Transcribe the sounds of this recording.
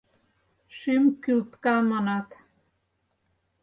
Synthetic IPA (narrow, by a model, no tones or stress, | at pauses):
ʃymkylt̪kɑmɤnɑt̪